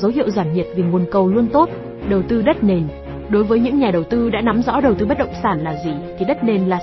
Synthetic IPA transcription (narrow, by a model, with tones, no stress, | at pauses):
zə˨˦wɦḭ˧˨əwzwaː˧˩nɲi˨˩t̚vi˨˩ŋu˨˩ənkə˨˩wlu˧ənt̪o˦˥t̚ | ɗə˨˩wt̪ɨ˧ɗə˦˥t̚ne˨˩n | ɗo˨˦jvəː˨˦jɲɨ̰˧˥ŋɲaː˨˩ɗə˨˩wt̪ɨ˧ɗa̰ː˧˥na˨˦mzɔ̰˧˥ɗə˨˩wt̪ɨ˧ɓə˦˥t̚ɗə̰˧˨wŋ͡msaː˧˩nlaː˨˩zi˨˩t̪ʰi˨˩ɗə˦˥t̚ne˨˩nlaː˨˩